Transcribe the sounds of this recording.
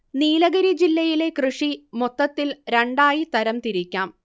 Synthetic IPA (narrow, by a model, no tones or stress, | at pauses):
niːlɐɣɐɾid͡ʑilːɐjile̞krɨʂimot̪ːɐt̪ːilɾeɳɖaːjit̪ɐɾɐmt̪iɾikʲːaːm